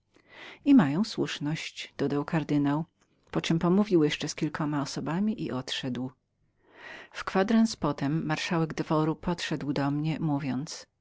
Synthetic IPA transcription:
imajɔ̃w̃swuʂnɔɕt͡ɕd̪̥ɔd̪awkaɾd̪ɘnaw | pɔt͡ʂɨmpɔmuvʲiwjɛʂt͡ʂɛskʲilkʰɔmaɔsɔbamʲiʔiʔɔt̪ʂɛd̪w | fkfad̪ɾanspɔt̪ɛmːaɾʂawɛɡd̪vɔɾupʰɔt̪ʂɛd̪wd̪ɔmɲɛmuvʲjɔnt̪s

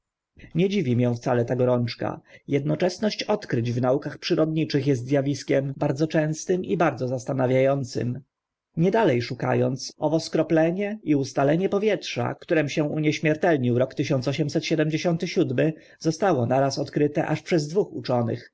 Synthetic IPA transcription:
ɲɛd͡ʑivʲimʲjɛ̃w̃ft̪salɛt̪aɡɔɾɔnt͡ʂka̰jɛd̪nɔt͡ʂɛsnɔɕt͡ɕɔt̪kɾɘd͡ʑvnaukaxpʂɘɾɔd̪ɲit͡ʂɘxjɛs̬t̪zʲjavʲiskʲɛmbaɾd̪zɔt͡ʂɛ̃w̃st̪ɘmibaɾd̪zɔzast̪anavʲjajɔnt̪sɘ̰m | ɲɛd̪alɛjʂuka̰jɔnt̪sɔvɔskɾɔplɛɲɛiust̪alɛɲɛpɔvʲjɛtʂa̰kt̪uɾɛmuɕɛ̃uɲɛɕmʲjɛɾt̪ɛlɲiwɾɔkt̪ɘɕɔ̃nt̪sɔɕ̬ɛmsɛt̪ɕɛd̪ɛmd͡ʑeɕɔnt̪ɘɕud̪mɘ | zɔst̪awɔnaɾasɔt̪kɾɘt̪ɛ̰ʔaʂpʂɛzd̪vuxṵt͡ʂɔnɘ̰x

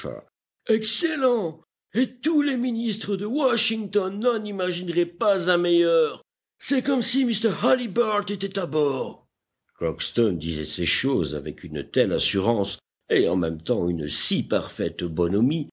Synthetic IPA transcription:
ɛ̰ | ɛkselɑ̃ | et̪uleminist̪χəd̪əwaʃiŋt̪ɔnːɔ̃nimaʒinʁɛpazɛ̃mejœːʁ | sɛkɔmsimist̪ɛʁhalibaʁt̪et̪ɛt̪abɔːʁ | kʁɔkst̪ɔnd̪izɛ̰seʃoza̰vɛkʰynt̪ɛlasyʁɑ̃s | eɑ̰̃mɛmt̪ɑ̃ynəsipaʁfɛt̪bɔnɔmi

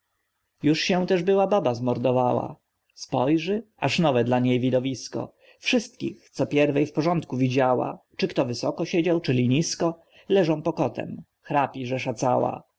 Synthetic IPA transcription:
juʂɕɛ̃t̪ɛʐbɘwababazmɔɾd̪ɔvawa̰ | spɔjʐɘ | aʂnɔvɛd̪laɲejvʲid̪ɔvʲiskɔ̰ | fʂɘst̪kʲḭxt̪sɔpʲjɛɾvɛjfpɔʐɔnt̪kuvʲid͡ʑawa̰t͡ʂɘkt̪ɔvɘsɔkɔɕed͡ʑawt͡ʂɘlʲiɲiskɔ | lɛʐɔ̃w̃pɔkɔt̪ʰɛ̰m | xɾapʲiʐɛʂat̪sawa̰

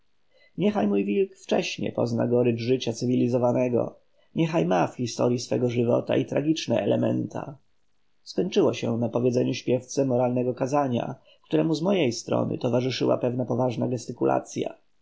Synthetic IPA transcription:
ɲɛxajmujvʲilkft͡ʂɛɕɲɛ̰pɔ̰zna̰ɡɔɾɘʐɘt͡ɕat̪sɘvʲilʲizɔvanɛɡɔ̰ | ɲɛxajmafxʲist̪ɔɾjisfɛɡɔʐɘvɔ̰t̪a̰it̪ɾaɡʲit͡ʂnɛʔɛlɛmɛ̰nt̪ʰa̰ | skɔɲt͡ʂɘwɔɕɛnapɔvʲjɛdzɛɲuɕpʲjɛft̪sɛmɔɾalnɛɡɔkazaɲa̰ | kt̪uɾɛmuzmɔjejst̪ɾɔ̰nɘ̰t̪ɔvaʐɘʂɘwa̰pɛvnapɔvaʐnaɡɛst̪ɘkulʔa̰t̪sʲja̰

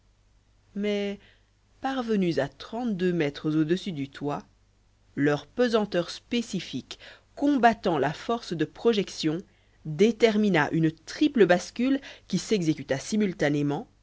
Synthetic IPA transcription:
mɛ | paʁvənyzat̪χɑ̃t̪d̪ømɛt̪χəzod̪əsyd̪yt̪wa | lœʁpøzɑ̃t̪œʁspesifikː | ɔ̃bat̪ɑ̃lafɔʁsd̪əpχɔʒɛksjɔ̃ | d̪et̪ɛʁminaʔynt̪χipləbaskʲylkʲisɛɡzekʲyt̪asimylt̪anemɑ̃

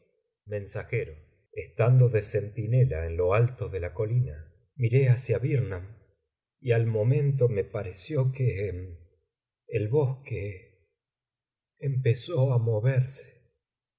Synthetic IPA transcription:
mẽ̞nsaxeɾo | est̪and̪o̞ðese̞nt̪ine̞laenlo̞alt̪o̞ðe̞lako̞lina | miɾe̞asjaβiɾnam | ialmo̞mẽ̞nt̪̬o̞me̞paɾesjo̞kenː | lβo̞ske | mpeso̞amo̞βeɾse̥

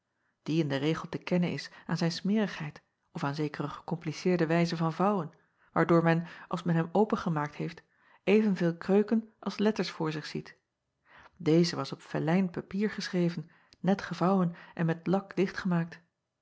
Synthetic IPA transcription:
d̥iɪndəreːχəlˠtəkɛnənɪ̰saːnzɛjnsmɪːrəχɦɛjt | ɔfaːnzejkərəχə̥kɔmplisɪːɹdəʋɛjzəvɑnvɑwən | ʋaːɹdʊːɹmɛnʔɑ̰lˠsmɛnɦɛmowpənχəmaːk̚thejft | ejvənveːlˠkrøɥkənʔɑ̰lˠslɛtəɹsfʊːɹzɪχsit | dejzəʋɑsɔpfɛlɛjnpapiːɹχəsrejvən | nɛtχəvɑwənʔɛnmɛtlɑklɪχtχəmaːk̚t

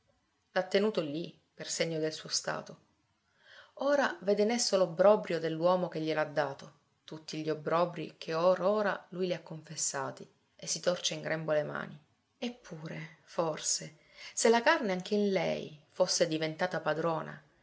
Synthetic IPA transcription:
lat̪ːenuːt̪oli | perseɲːod̪elsuːost̪a̰ːt̪o | oːɾavɛːd̪enesːolobɾɔbɾjod̪elːwɔːmok̟eʎːelad̪ːaːt̪o | t̪ut̪ːiʎiobːɾɔbɾḭkʰeoːɾoːɾa̰lujliakːoɱfesːaːt̪i | esːit̪ɔrt͡ʃeiŋɡɾʔɛmbolema̰ːni | epʰːuːɾeforse | selːakarneaŋk̟einlɛ̰jfosːed̪ivent̪aːt̪apad̪ɾɔːna̰

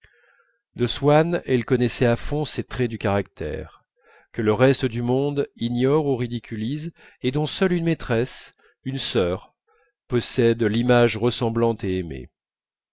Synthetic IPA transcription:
d̪əswanɛlkɔnɛsɛafɔ̃set̪χɛd̪ykaʁak̚t̪ʰɛ̰ʁ | kələʁɛst̪əd̪ymɔ̃d̪injɔʁuʁid̪ikʲʰyliz | ed̪ɔ̃sœlynmet̪χɛs | ynsœʁ | pɔsɛd̪limaʒʁəsɑ̃blɑ̃t̪eemḛ

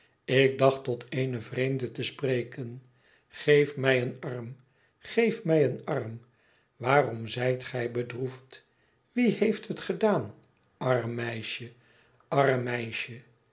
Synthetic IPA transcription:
ɪk̚dɑχtɔtʰejnəvrejmdətəspreːkən | χejfmɛjənɑrm | χejfmɛjənɑrm | ʋaːrɔmzɛjtχɛjbədruft | ʋihejftɦətχədaːn | ɑrmːɛjʃə | ɑrəmɛjʃə

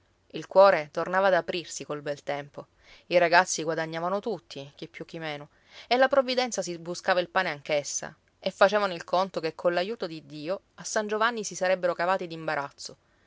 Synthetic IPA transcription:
ilkwɔːɾet̪ornaːvaːd̪apɾirsikolbɛlt̪ɛmpo | iɾaɡat̪sːiɡwad̪aɲːaːvanot̪ut̪ʰːik̟ipːjuk̟ːimeːno | elːapɾovːid̪ɛnt̪sas̬ibuskaːvailpaːneaŋkesːa̰ | efːat͡ʃɛːvanoilkont̪okekʰːonlajuːt̪od̪id̪ːiːo | asːand͡ʒovanːisisaɾɛbːeɾokavaːt̪id̪imbaɾat̪sːo

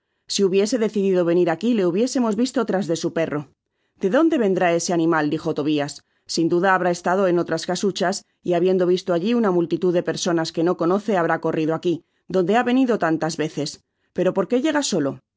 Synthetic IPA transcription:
siuβje̞se̞ðe̞θiðiðo̞βe̞niɾakile̞uβ̞je̞se̞mo̞zβist̪o̞t̪ɾazðe̞supe̞ro̞ | d̪̥e̞ðo̞nd̪e̞βe̞nd̪ɾae̞se̞anĩmald̪ixo̞t̪o̞β̞iasː | ind̪uðaːβ̞ɾae̞st̪að̞o̞e̞no̞t̪ɾaskasut͡ʃas | iaβje̞nd̪o̞βist̪oaʎiunamult̪it̪uðe̞pe̞ɾso̞naske̞no̞ko̞no̞θe̞aβ̞ɾako̞riðoaki | d̪o̞nd̪e̞aβe̞niðo̞t̪ant̪azβe̞θe̞s | pe̞ɾo̞po̞ɾke̞ʝe̞ɣ̞aso̞lo̞

